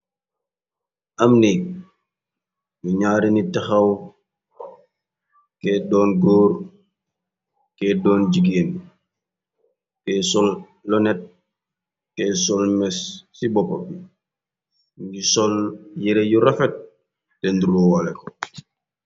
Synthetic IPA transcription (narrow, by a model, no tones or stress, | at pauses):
ʔɐmnik̚ | juɲaːɾinitɛxɐw | kɛːdɔːnɡoːɾ | kɛdɔːnd͡ʒiɡeːn | kɛːsɔl | lɔnɛt̚ | kɛːsɔlmɛsːibɔpɔbi | ŋɡisɔljɛɾejuɾɐfɛt̚ | tɛnduɾoːwalɛkɔ